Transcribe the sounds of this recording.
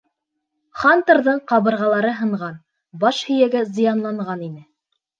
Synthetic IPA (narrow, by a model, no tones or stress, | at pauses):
χɑnt̪ɤɾðɤɴqɑβɤ̆ɾʁɑlˠɑɾɤɦɤ̆ɴʁɑn | bɑʃhɵ̆jæɡæzɤ̆jɑnlˠɑɴʁɑninɘ